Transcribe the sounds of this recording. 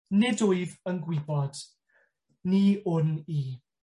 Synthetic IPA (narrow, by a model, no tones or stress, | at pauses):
nɪdʊɨðənɡwɪbɔd̥ | niʊniː